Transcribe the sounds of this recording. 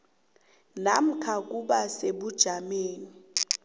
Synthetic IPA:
nam̩kʰak̬uɓaseɓud̥ʒ̥ʱameːni

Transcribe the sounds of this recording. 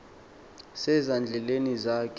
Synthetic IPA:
sɛzand͡ɮʱɛlenizaːkʼ

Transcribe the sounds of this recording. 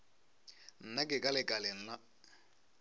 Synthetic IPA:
n̩nakʼɪkʼalɪkʼalɪn̩la

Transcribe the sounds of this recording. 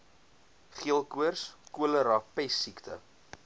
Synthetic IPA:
χiəlˠkuərskuələɾɑpɛsːikt̪ə̰

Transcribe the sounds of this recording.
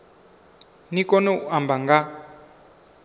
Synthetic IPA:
nikɔnɔuʔambaŋɡa

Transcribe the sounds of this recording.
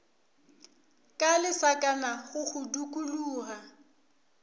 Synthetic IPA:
kʼalɪsakʼanaɣʊɣʊdukʼuluːɣa

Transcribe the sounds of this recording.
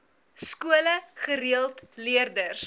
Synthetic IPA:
skuələχəɾiəlˠtliərdərs

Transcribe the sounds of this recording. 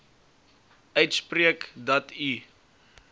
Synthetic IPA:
œɥtspriəkdɔti

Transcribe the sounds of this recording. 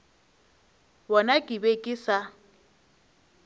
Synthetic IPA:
bɔnakʼɪbekʼɪsa

